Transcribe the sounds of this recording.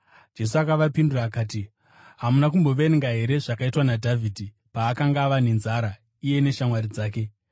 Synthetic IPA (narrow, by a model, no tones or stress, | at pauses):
d͡ʒe̞s̬uakaʋapinduraːkaːt̬i | ɦamunak̬umbo̞ʋeŋɡaɦe̞ɾe̞ʐakaitwanadʱavʱiːdʱi | paːkaŋɡaʋane̞nzaɾa | ije̞ne̞ʃamwaɾid͡zaːke̞